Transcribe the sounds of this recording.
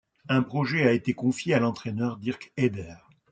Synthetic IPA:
ɛ̃pχɔʒɛaet̪ekɔ̃fjealɑ̃t̪χɛnœʁd̪iʁkɛd̪ɛːʁ

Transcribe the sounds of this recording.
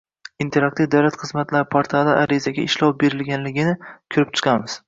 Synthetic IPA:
int̪ʰe̞ɾak̚t̪ivd̪awlat̪χɨzmat̪ʰlaɾpʰaɾt̪ʰalaʔaɾizaɡʲaɪʃlɒwbe̞ɾɪlɡʲanlɪɡʲɪnɪkʲʰʊɾɪp̚t͡ʃʰɨ̥qʰɑmɪz̥

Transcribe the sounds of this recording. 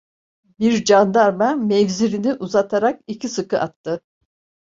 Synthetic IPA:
biɾd͡ʒand̪aɾmamɛvziɾiniʔuzat̪ʰaɾakicʰisɯkɯʔat̪ʰːɯ

